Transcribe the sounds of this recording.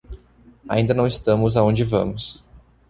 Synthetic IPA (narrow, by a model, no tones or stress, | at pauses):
a̰ĩnd̪ɐnɐ̃w̃ɪst̪ɐ̃mʊzaõd͡ʒɪvɐ̰̃mʊs